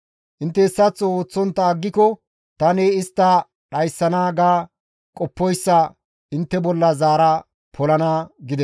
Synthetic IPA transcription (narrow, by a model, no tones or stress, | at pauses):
ʔɪnt̪ːɛːsːɐt͡sːɔoːt͡sːɔnt̪ːɐːɡːɪkɔ | t̪ɐneɪst̪ːɐ | ɗɐjsːɐnaːɡaː | kʼɔpːɔjsːɐ | ɪnt̪ːɛbɔlːɐzaːɾɐ | pʰɔlɐnaːɡɪd̪ɛ